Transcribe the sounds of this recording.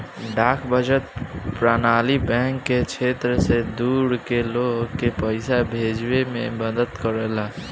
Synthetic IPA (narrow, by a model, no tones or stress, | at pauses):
ɖaːkʰbʱəd͡ʒət̪̚pɾaːnaːlibɛ̃ːŋkːet͡ʃʰeːt̪ɾəsed̪uːɽkeloːɡkepəɪsabʱeːd͡ʒwemẽbəd̪əd̪kəɾəla